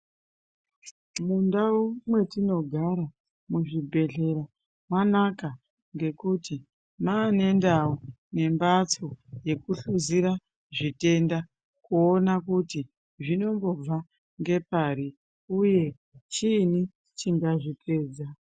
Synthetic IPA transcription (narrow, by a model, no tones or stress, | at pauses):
mundaumwe̞tino̞ɡʱaɾa | muʐibʱe̞ɮe̞ɾa | mwanaka | ŋɡe̞kuti | maːne̞ndau | ne̞mbat͡soje̞kuɬuziɾa | ʐite̞nda | kuonakuti | ʐino̞mbo̞b͡va | ŋɡe̞paɾi | uje̞ | t͡ʃiːni | t͡ʃiŋɡaʐitʰe̞ːd͡za